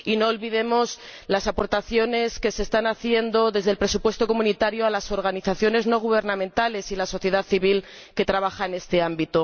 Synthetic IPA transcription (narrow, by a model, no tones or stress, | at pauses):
ino̞ːlβiðe̞mo̞slasapo̞ɾt̪aθjo̞ne̞ske̞sest̪anaθje̞nd̪o̞ðe̞zðelpɾe̞supwe̞st̪o̞ko̞mũnit̪aɾjo̞alaso̞ɾɣ̞aniθaθjo̞ne̞zno̞ɣ̞uβ̞e̞ɾnãmẽ̞nt̪ale̞silaso̞θje̞ð̞aθiβil | ke̞t̪ɾaβ̞axaene̞st̪e̞ambit̪o